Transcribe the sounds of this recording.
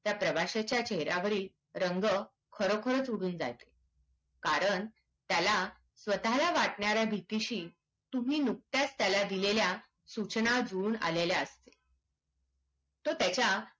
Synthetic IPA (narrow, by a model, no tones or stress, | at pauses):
t̪japɾəʋaɕet͡ɕjat͡ɕeɦɾjaʋəɾiː | ɾəŋɡə | kʰəɾokʰəɾət͡suɽ̤uːnd͡za̰jt̪e̥ | kaɾəɳ | t̪jala | sʋət̪alaʋaʈɳaɾjabʱit̪iɕiː | t̪um̤iːnuk̚t̪jast̪jalad̪ilelja | sut͡ɕnad͡zuːɳa̰leljaəst̪e̥ | t̪ot̪jat͡ɕja